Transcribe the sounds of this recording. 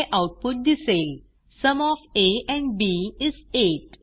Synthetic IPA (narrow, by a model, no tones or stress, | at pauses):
ʔawʈ̚puʈ̚d̪isel | səmɔfeɛ̃ɳɖbiizeʈ̚